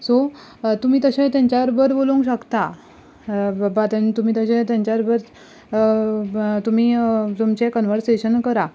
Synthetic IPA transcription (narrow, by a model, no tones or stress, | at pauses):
so | t̪um̤iːt̪əɕẽt̪jãɲt͡ɕaɾbəɾboluŋkɕəkt̪a | bat̪ənt̪um̤iːt̪əɕẽt̪jãɲt͡ɕaɾbəɾ | t̪um̤iːt̪umt͡ɕekənʋəɾseɕənkəɾa